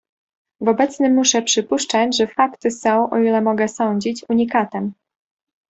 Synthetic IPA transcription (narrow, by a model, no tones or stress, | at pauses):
vɔbɛt̪snɘmːuʂɛpʂɘpuʂt͡ʂad͡ʑʐɛfakt̪ɘsɔ̃w̃ʔɔ̰ilɛmɔɡɛsɔɲd͡ʑit͡ɕuɲikat̪ɛm